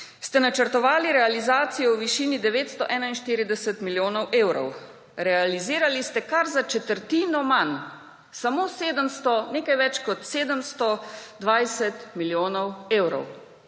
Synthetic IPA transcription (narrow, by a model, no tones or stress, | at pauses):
st̪ɛnat͡ʃəɾt̪ɔʋaːliɾɛalizaːt̪sijɔwʋiʃiːnid̪ɛʋeːt̪st̪ɔʔɛːnainʃt̪iːɾid̪ɛsɛt̪miljoːnɔwʔeːwɾɔ̰w | ɾɛaliziːɾalist̪ɛkaɾzat͡ʃɛt̪əɾt̪iːnɔman | samoːseːd̪əmst̪ɔneːkajʋɛt͡ʃkɔt̪seːd̪əmst̪ɔd̪ʋajsɛt̪miljoːnɔweːwɾɔ̰w